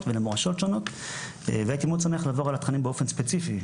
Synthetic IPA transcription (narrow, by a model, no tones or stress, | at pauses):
tvelemoʁaʃo̞tʃono̞t̪ | veakimut͡sameaχlaːvo̞ʁalat̪χanimbeofenspet͡sifi